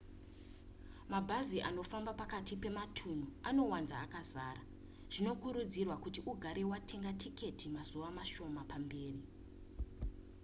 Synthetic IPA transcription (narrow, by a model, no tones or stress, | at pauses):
mabʱaziʔano̞fambapakatipe̞matʰun̤uano̞wanzaːkazaːɾa | ʐ̥ino̞kuɾud͡zirwakutiʔuɡʱaɾe̞watʰe̞ŋɡatʰike̞tʰimazuʋamaʃo̞mapambe̞ːri